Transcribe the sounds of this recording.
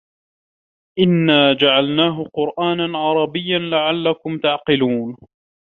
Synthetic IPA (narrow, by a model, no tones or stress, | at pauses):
ʔɪnːaːd͡ʒaʕalnaːɦʊqʊɾʔaːnanʕɑɾˤɑbɪjːanlaʕalːakʊmt̪aʕqɪluːn